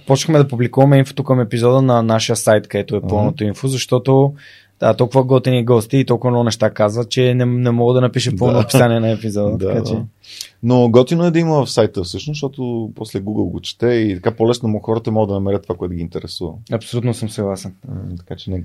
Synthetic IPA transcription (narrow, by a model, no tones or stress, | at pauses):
pɔt͡ʃkmɛd̪ɐpublikuvɐmɛinfo̥t̪okɐmɛpizɔd̪ənɐnaʃəjəsajt̪kɐd̪ɛt̪oɛpəlˠnot̪oinfozɐʃt̪ɔt̪o | d̪at̪ɔlˠkʊvəɡɔt̪ɛniɡɔst̪iːt̪ɔlˠkʊvənɔɡʊnɛʃt̪akazvət̪̚t͡ʃɛnɛnɛmɔɡəd̪ɐnɐpiʃəpəlˠnoɐpi̥saniɛnɐɛpizɔd̪ət̪ːkat͡ʃɛ | noɡɔt̪inoɛd̪ɐiməvɐfsajt̪əfsɤʃnosʃt̪ɔt̪opɔslɛɡuɡəlˠɡot͡ʃɛ̥t̪ɛit̪ɐkapolɛsnomxɔɾət̪əmɔɡəd̪ɐnɐmɛɾət̪ːovakoɛt̪ʊɡʲint̪ɛɾɛsuvə̰ɐpsolʲut̪nosəmsɐɡlˠasɛnt̪ɐkat͡ʃɛnɛ